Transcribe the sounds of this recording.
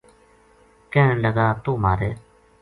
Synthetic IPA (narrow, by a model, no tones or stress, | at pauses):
kẽːləɡaːt̪oːmaːɾeː